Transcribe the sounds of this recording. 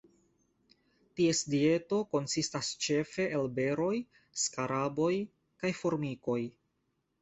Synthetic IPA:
tie̞sdie̞to̞ko̞nsistast͡ʃe̞fe̞ʔelbe̞ɾo̞j | skaɾabo̞j | kajfo̞ɾmiko̞j

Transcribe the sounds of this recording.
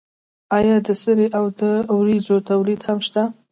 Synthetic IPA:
ɑjɑd̪əsəɾeʔawd̪əwɾid͡ʒot̪awlid̪hamʃt̪a

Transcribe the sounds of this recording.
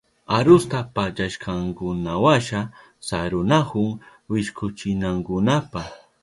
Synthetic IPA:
aɾʊst̪apat͡ʃaʃkʰɑŋkʊnawaʃa | saɾʊnakʊŋ | wɪʃkʊt͡ʃɪnaŋkʊnapa

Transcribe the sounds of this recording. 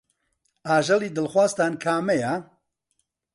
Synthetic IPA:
aːʒɐliːd̪ɨlxwaːst̪aːnkʰaːmɛja

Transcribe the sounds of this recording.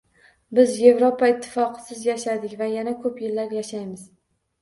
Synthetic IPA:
bɪzje̞vɾopʰaɪt̪ʰːɪ̥fɒqʰɨ̥sɪzjaʃad̪ɪkʲvajanakʰɵpjɪlːaɾjaʃajmɪz

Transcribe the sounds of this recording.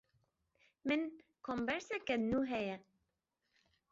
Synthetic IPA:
mɪnkʰombɛɾsɛkɛnuːɦɛjɛ

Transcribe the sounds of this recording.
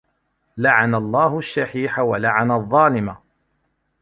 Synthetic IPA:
laʕanalˤːɑːɦʊʃːaħiːħawalaʕanaðˤːɑːlɪma

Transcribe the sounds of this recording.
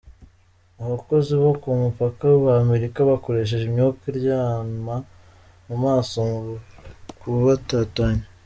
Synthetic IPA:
aβako̞ziβokumupakawβame̞ɾikaβako̞ɾe̞ʃ̬e̞ʒemɲokiɾjaːma | mumaːsoŋɡukuβatataɲe

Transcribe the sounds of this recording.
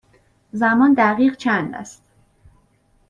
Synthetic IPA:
zæmɒːnd̪æʁiːɢt͡ʃʰænd̪æ̰st̪

